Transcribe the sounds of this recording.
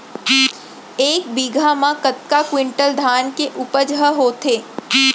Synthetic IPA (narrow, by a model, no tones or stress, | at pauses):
eːk̚biːɡʱamãkət̪kakwɪ̃ɳʈəld̪ʱaːnkeʔʊpəd͡ʒɦəɦoːt̪ʰeː